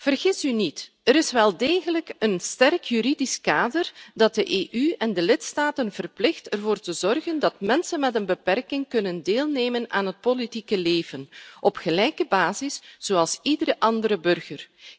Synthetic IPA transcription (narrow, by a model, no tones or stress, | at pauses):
v̥ərɣɪsynit | əɾɪsʋɛlˠdeːɣələkənstɛrkjyɾidiskaːdərdɑt̚dəʔeːʔyɛndəlɪtstaːtənvərplɪxtɛrvoːrtəzɔrɣəndɑtmɛnsənmɛtənbəpɛrkɪŋkɵnəndeːlˠneːmənaːnɦət̚politikəleːvənʔɔpxəlɛjkəbaːzɪsz̥oːɑlˠsidəɾəʔɑndəɾəbɵrɣər